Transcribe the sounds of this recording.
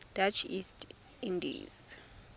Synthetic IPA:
d̥at͡ʃʰist | ĩndḭz̥

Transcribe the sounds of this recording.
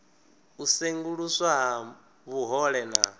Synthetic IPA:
useŋɡuɺuswaɦa | βuɦɔɺɛna̰

